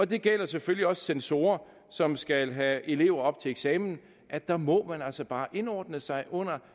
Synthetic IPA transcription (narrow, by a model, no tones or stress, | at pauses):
ɒ̽d̥e̝ɡ̥el̰ɐsefølliɒ̽ssenso̝̰ːɐ | sɒ̽msɡ̥ælɦæe̝le̝ʊɐɒ̽b̥̚t͡sʰe̝eɡ̥sɛːmn̩ | ʔæ̥d̥ɑ̈mɒ̽mænælsɐb̥ɑ̈ːʔe̝nɒːd̥nəsɑ̈ɪʔɔ̽n̰ɐ